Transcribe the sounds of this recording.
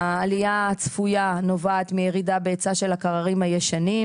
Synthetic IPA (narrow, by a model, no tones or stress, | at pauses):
lijat͡sfujano̞vaːt̪mijeʁidabeːt͡saʃelakaʁaʁimhajeʃani